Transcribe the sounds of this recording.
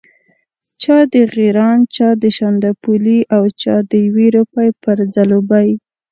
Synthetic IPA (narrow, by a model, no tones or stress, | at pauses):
t͡ʃɑd̪əɣeɾɑnt͡ʃɑd̪əʃand̪apuliʔawt͡ʃɑ̰d̪əjweɾupajpəɾd͡zalobaj